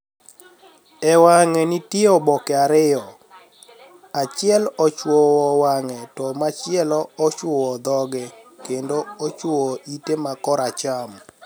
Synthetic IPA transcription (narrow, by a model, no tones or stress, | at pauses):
ɛwaŋɛnɪtɔbɔkɛaɾɪjɔ | at͡ʃɪɛlɔt͡ʃwowɔwaŋɛtɔmat͡ʃɪɛlɔɔt͡ʃowɔd̪ɔɡɛkendoot͡ʃwowoʔitemakɔɾat͡ʃam